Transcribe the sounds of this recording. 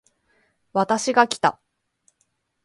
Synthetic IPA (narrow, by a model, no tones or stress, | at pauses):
βat̪aɕiɡakʲi̥t̪a